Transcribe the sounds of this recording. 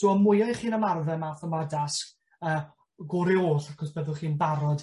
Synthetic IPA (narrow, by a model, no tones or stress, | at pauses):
d̥uːɔmʊjɔχiːnəmarðɛmaːθɔmadask | əː | ɡʊɾɪoːɬakʰɔsb̥əðʊlˠχiːnbaɾɔd